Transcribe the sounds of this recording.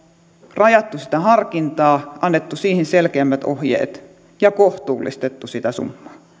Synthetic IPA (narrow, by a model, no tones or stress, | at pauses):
rɑjɑt̪ːusi̥t̪æhɑrkint̪ɑːʔɑnːet̪ːusiːhinselkeæmːæt̪o̰hjḛːt̪ | jɑkoht̪uːlːḭst̪et̪ːusit̪æsṵmːɑː